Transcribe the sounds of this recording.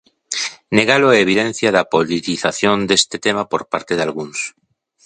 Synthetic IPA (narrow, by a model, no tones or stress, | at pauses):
neɣaloaeβ̞iðen̟θjaðapolit̪iθaθjond̪est̪et̪emapoɾpaɾt̪eðalɣuŋs